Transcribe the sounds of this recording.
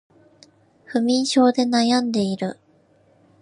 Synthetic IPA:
ɸɯ̟mʲĩɰ̃ɕo̞ːd̪e̞najãnd̪e̞iɾɯ̟

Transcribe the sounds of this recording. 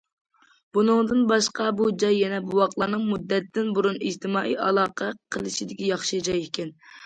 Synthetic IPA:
b̥unɨŋd̪ɨnbɑʃqɑbud͡ʒɑjːɛnɛbuwɑqlˠɑnɨŋmud̪ːɛt̪ːɪnbuɾunid͡ʒt̪ʰɨmɑːʔḭjɑlˠɑːqʰɛqʰəlˠɨʃid̪ɪkʲijɑχʃɨd͡ʒɑjɪkʲʰɛn

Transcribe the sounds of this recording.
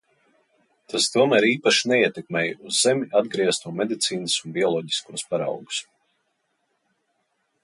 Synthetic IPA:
t̪ʰast̪uɔmæːɾiːpaʃinɛiɛt̪ɛkmʲɛjuzːemʲiʔad̪ɡɾiɛst̪uɔmed̪it̪siːnəsunbʲiɔlˠɔːɟi̥skuɔspaɾɑ̰wɡu̥s

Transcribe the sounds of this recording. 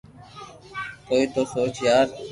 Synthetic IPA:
koːiːt̪oːsoːt͡ʃjaːɾ

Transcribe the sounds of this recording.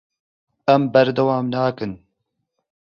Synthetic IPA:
ɛmbɐɾd̪ɐwaːmnaːkɨn

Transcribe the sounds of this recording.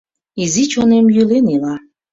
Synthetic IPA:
izit͡ɕonemjylenela

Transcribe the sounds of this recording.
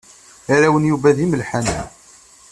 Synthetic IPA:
aɾæwənjuvæðiməlħan̰

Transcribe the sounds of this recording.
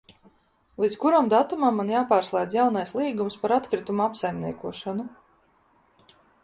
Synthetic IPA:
lˠiːt̪skuɾamd̪at̪umamːanjaːpaːɾslˠɛjd̪zjawnajslˠiːɡumspaɾat̪kɾit̪umuapsajmʲnʲiɛkuɔʃanu

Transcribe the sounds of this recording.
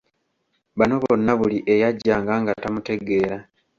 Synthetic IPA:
βano̞βo̞nːaβuliʔe̞jaɟːaːŋɡaːŋɡatamute̞ɡe̞ːɾa

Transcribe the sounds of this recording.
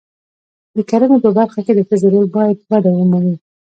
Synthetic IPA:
d̪əkaɾanopəbaɾxaked̪ət̪ɪzaɾelbɑjad̪̚ɣaɖawəmani

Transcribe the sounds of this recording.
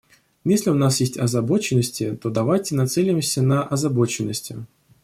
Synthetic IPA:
jesʲlʲɪʊnasjesʲtʲɐzɐbo̞t͡ɕɪnːəsʲtʲɪt̪o̞d̪ɐvajtʲɪnɐt̪sɛlʲɪmsʲənəʔɐzɐbo̞t͡ɕɪnːəsʲtʲɪ̰

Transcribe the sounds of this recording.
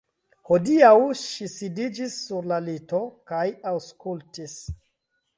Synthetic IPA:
ho̞diawʃisidid͡ʒisːuɾlalito̞kajawskultis

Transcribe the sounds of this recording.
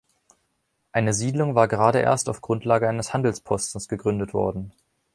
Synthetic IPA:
ʔaɪnəziːdlʊŋvaːɐɡəʁaːɾəʔḛːɐstaʊfɡ̥ʁʊntʰlaːɡəaɪnəshandl̩spʰɔstn̩sɡ̥əɡʁʏndətv̥ɔ̰ɐdn̩

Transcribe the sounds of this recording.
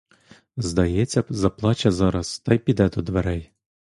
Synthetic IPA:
zd̪ɐjɛt͡sʲːɐzɐplˠɑt͡ʃɐzɑɾɐst̪ɑjpʲid̪ɛd̪ɔd̪ʋeɾɛj

